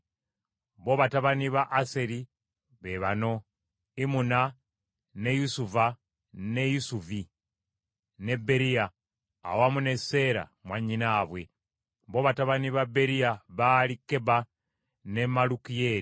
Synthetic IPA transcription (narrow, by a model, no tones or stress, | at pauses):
βo̞ːβataβaniβaʔːse̞ɾi | βeβano̞ | imuna | ne̞jusuva | ne̞jusuvi | ne̞be̞ɾija̰ː | wamune̞se̞ɾa̰mwaɲinaːβwe̞ | βo̞ːβataβaniβabe̞ɾijaβaːlikːe̞ba | ne̞malukijeɾi